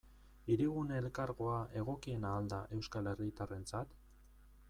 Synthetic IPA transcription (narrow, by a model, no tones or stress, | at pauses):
iɾiɣuneːlkaɾɣo̞aʔe̞ɣ̞o̞kie̞naːld̪aʔe̞wskale̞rit̪are̞nt͡sat̪